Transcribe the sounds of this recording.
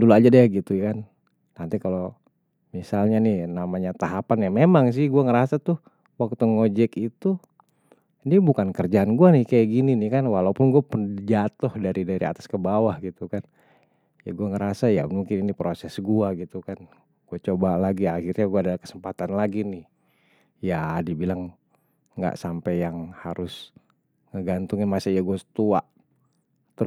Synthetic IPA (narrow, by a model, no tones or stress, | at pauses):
duluad͡ʒadiaɡit̪ujkan | nant̪ikalo | misalɲanɪhnamaɲat̪aɦapanjamemaŋs̬ɪhɡuaŋəɾasat̪ʊh | wak̚t̪uŋod͡ʒɛkit̪u | nibukankərd͡ʒaːnɡuanɪhkajaʔɡininɪhkanwalaupʊnɡuapəd͡ʒat̪ɔhdaɾidaɾia̰t̪ḁskəbawahɡit̪ukan | ja̰ɡuaŋəɾasajamuŋkɪninipɾosɛsɡuaɡit̪ukan | ɡ̥uat͡ʃobalaɡiahirɲaɡuadalahkə̥səmpat̪anlaɡinɪh | jadibilaŋː | ɡa̰ʔsampɛjaŋhaɾʔʊs | ŋəɡant̪uŋɪnmasajaɡuasə̥t̪uaʔ | t̪